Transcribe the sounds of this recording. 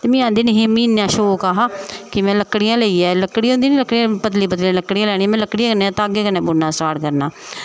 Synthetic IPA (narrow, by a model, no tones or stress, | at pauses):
t̪eːmĩːãːnd̪iːnːɦeːmĩːnjãːʃoːkaːɦaːkɪmɛ̃ːləkːɽɪjãːleiːɛːləkːɽĩːõnd̪iːniːləkːɽiãpət̪liːpət̪lĩːləkːɽijãːlɛːɽiːãːmɛ̃ːləkːɽiãːkənːt̪aːɡeːkənːẽːbʊnːãːsʈaːɽkəɾnaː